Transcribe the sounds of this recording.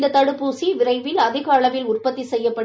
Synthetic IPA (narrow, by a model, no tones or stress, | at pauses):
d̪ɐt̪ɐɽɯpːuːsiʋɪɾɐɪʋɪlɐðɪɣaːɭɐʋɪlʊrpɐt̪ːisɛjːɐpːɐ